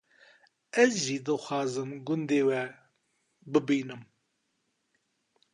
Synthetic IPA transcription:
ɛzʒid̪ɨxʷɑːzɨmɡʊnd̪eːwɛ | bɨbiːnɨm

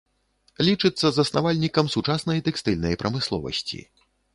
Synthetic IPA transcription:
lʲit͡ʂɨt̪sːɐzɐsnavalʲnʲikɐmsut͡ʂasnɐjt̪ɛkst̪ɨlʲnɐjpɾʔɐmɨslˠɔ̰vɐ̰sʲt͡sʲḭ

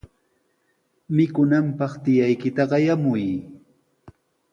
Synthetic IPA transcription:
mɪkʊnampɑχt̪ɪjajkɪt̪aɢɑjamʊj

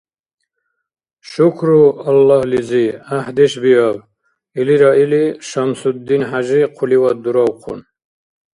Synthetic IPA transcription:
ʃukʰɾualːɑhliziaħd̪ɛʃbiav | iliɾailiʃamsud̪ːinħaʒiqʰuliwat̪̚d̪uɾawqʰṵn

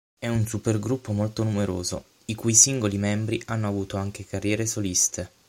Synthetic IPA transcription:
ɛunsuperɡɾupːomolt̪onumeɾoːzo̰ | ikujsiŋɡolimɛmbɾiʔanːoavuːt̪oaŋk̟ekarːjɛːɾesolist̪ʰe

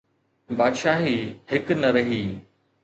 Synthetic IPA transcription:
baːd̪ʃaːɦihɪknɐɾɐɦiː

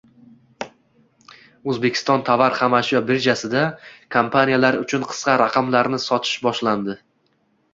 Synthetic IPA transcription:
ɵzbekʲʰɪ̥st̪ɒnt̪ʰavaɾχamaʃabɪɾd͡ʒasɪd̪akʰampʰanijalaɾʊt͡ʃʰʊnqʰɨ̥sqɑɾaqʰɑmlaɾnɪsɒt̪ʰɪ̥ʃbɒʃland̪ɪ

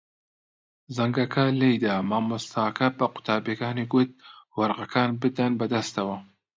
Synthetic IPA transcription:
zɐŋɡɐkʰɐlejd̪amaːmust̪ʰaːkɐbɐqʊ̥t̪ʰaːbeːkaːniɡʊt̪̚wɐɾʁɐkʰaːnbɨd̪ɐnbɐd̪ɐst̪ɐwɐ

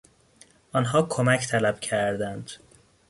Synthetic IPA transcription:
ɒːnɦɒːkʰomæcʰt̪ʰælæb̥cʰæɾd̪ænd̪̥

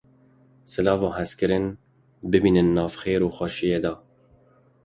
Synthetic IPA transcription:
sɨlɑːvoːɦɛskɨɾɨn | bɨbiːnɨnːɑːvxeːɾuːxɑːʃijeːd̪ɑː

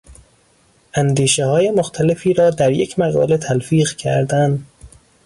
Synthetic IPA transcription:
ʔænd̪iːʃehɒːje̞moxt̪ʰælefiːɾɒːd̪æɾjecʰmæɣɒ̰ːlet̪ʰælfiːɣcʰæ̰ɾd̪ænd̪

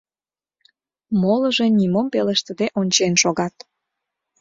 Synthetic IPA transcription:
moləʒenimompeləʃt̪ə̆d̪eʔonʲt͡ɕenʃoɣɑt̪

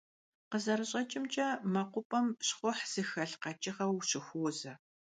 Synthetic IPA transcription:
qəzɐɾɨɕʼɐt͡ʃʼɪmt͡ʃʼɐmɐqʷʊpʼɐmɕχʷʊħz̥ɨxɐɬqɐt͡ʃʼɪχɐwɕɪxʷoːzɐ

